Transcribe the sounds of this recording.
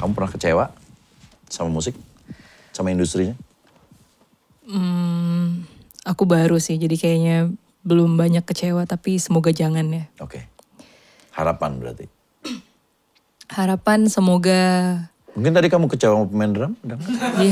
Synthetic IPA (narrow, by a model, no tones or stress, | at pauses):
kamupərnahkət͡ʃewa | samamusɪk̚ | samaindust̪ɾiɲa | m̩ | akubaɾusɪhd͡ʒadikajaɲa | bəlʊmbaɲakːət͡ʃewat̪apisəmoɡad͡ʒaŋanjaokḛ | ha̰ɾa̰panbəɾa̰rt̪ḭ | haɾapansəmoɡa | muŋkɪnt̪adikamukət͡ʃewamapəmɛndəɾamdaŋja